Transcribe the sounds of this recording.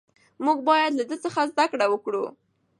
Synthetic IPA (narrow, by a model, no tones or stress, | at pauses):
muɡ̚bɑjad̪lad̪ət͡səxazd̪akɽawəkɽu